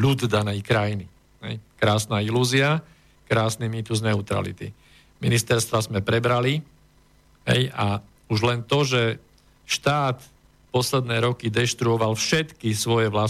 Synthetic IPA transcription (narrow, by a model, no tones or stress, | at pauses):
lud̪d̪anɛjkɾajini | ɦɛ̰jkɾaːsnaːiluːzia | kɾaːsnimiːt̪uznɛut̪ɾa̰lḭt̪ḭ | minist̪ɛɾst̪ʋazmɛpɾɛbɾali | ɦɛ̰ja | uʒlɛnt̪ɔʒɛ | ʃt̪aːt̪ | pɔslɛd̪nɛːɾɔkid̪ɛʃt̪ɾuɔʋalfʃɛt̪kisʋɔjɛʋla